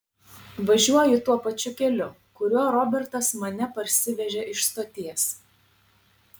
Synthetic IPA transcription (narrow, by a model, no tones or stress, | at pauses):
ʋɐʒʲuɔjɪt̪uɔpɐt͡ʃʲʊkʲɛlʲʊ | kʊɾʲuɔɾɔbʲɛɾt̪ɐsmɐnʲɛpɐɾʲsʲɪʋʲɛʒʲɛʔɪʃst̪oːt̪ʲiɛs